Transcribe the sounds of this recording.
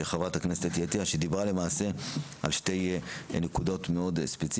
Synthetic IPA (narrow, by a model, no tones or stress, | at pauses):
eχavathaknesetjetiaʃed̪ibʁale̞maːse̞a̰lʃte̞jnekudo̞tme̞o̞dspet͡s